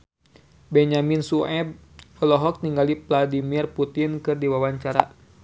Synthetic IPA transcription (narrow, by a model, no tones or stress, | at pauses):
bɛɲaminsuɛb | ɔlɔɦɔk̚t̪iŋɡalipladimirput̪inkɨrdiwawaɲt͡ʃaɾa̰